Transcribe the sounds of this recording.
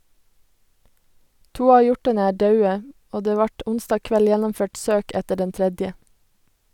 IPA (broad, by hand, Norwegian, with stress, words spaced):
ˈtuː ˈɑː ˈjɔʈɑnə ˈæː ˈdɑʉə ˈoː ˈdeː ˈʋɑʈ ˈʊnstɑː ˈkʋɛl ˈjɛnɔmˌføːʈ ˈsøːk ˈɛtə ˈɖɛn ˈtɾɛdjə